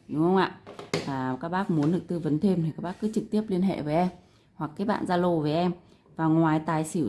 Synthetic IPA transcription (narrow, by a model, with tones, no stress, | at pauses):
ɗʊ˨˦ŋ͡mhə˧wŋ͡mʔa̰ː˧˨aː˨˩kaː˦˥k̚ɓaː˦˥k̚mu˨˦ənɗɨ˨˩ək̚t̪ɨ˧və˨˦nt̪ʰe˧mt̪ʰi˨˩kaː˦˥k̚ɓaː˦˥kːɨ̰˨˦t͡ɕɨ˨˩k̚t̪i˦˥əp̚li˧ənɦḛ˧˨veː˨˦ʔɛ˧m | hwa˨˩kːaː˨˦jɓa̰ː˧˨nzaː˧lo˨˧˩ve˨˩ʔɛ˧m | vaː˨˩ŋwaː˨˩jt̪aː˨˩jsi˧˩